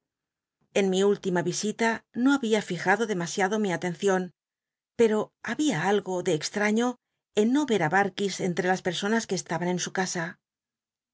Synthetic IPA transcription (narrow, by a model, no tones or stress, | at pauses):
e̞nmiult̪imaβisit̪ano̞aβiafixaðo̞ðe̞masjaðo̞miat̪e̞nθjo̞n | pe̞ɾo̞aβiaalɣo̞ðe̞ːkst̪ɾaɲo̞ | enːo̞βe̞ɾaβaɾkise̞nt̪ɾe̞laspe̞ɾso̞naskeːst̪aβanẽ̞nsukasa